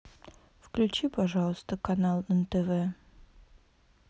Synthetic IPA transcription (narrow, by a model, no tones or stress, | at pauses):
fklʲʉt͡ɕipɐʐɑlˠəst̪əkɐnalˠənt̪ɛvɛ